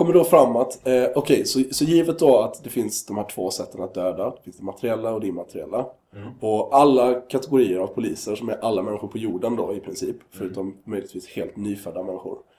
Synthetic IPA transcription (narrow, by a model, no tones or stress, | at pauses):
kʰɔmːəɖɔfɾamːat̪ʔɔkʰɛjsɔsɔjiːvət̪dɔat̪d̪ɛfɪnsd̪ɔmhæːʈʰv̥oːsɛt̪ːənat̪̚d̪øːd̪ad̪fɪnsd̪ɛmat̪əɾɪɛlːaɔd̪ɛːmat̪ʰəɾɪɛ̰lːa | ɔʔalːakʰat̪ɛɡʊɾiːəɾavpʰʊliːsəʂɔmæɾʔalːamɛnːɪɧʊɾpʰɔjuːɖənd̪oɪpʰɾɪnsiːpfœɾʉ̟ːt̪ɔmːœjlɪt̪viːshḛːlt̪nyːfœd̪ːamɛnːɪɧʊ̰ɾ